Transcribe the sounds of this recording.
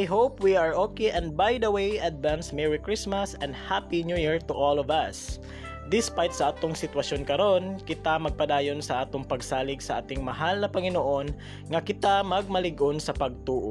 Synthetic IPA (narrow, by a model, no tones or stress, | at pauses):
ajɦopwiaɹʔokeʔɛ̃nd̪̚bajd̪ɐwejʔɐd̪̚vãnsmɛɹɪkɹɪsmɐsɛ̃nd̪hapinjujɛɹt̪ʊʔolɔvɐs | d̪ɪspajt̪̚sɐʔaːt̪oŋsɪt̪wɐʃjonkɐɾo̞nkɪt̪amɐɡ̚pɐd̪aːjonsɐʔaːt̪oŋpɐɡsaːlɪɡsɐʔa̰ːt̪ɪŋmɐɦalnɐpɐŋɪnoʔo̞n | ŋɐkɪt̪amɐɡ̚mɐlɪɡʔonsɐpɐɡ̚t̪uːʔo